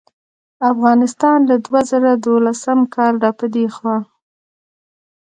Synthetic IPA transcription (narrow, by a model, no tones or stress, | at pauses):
afɣɑnɪst̪ɑnlad̪wazaɾad̪olasamkʰɑlɖɑpəd̪exwɑ